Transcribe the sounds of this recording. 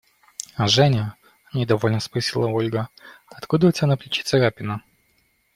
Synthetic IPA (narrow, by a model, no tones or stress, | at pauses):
aʐɛnʲə | mnʲɪd̪ɐvo̞lʲnəspɾɐsʲilˠəo̞lʲɡəɐt̪kud̪əʊtʲɪbʲanɐplʲɪt͡ɕi̥t̪səɾapʲɪnə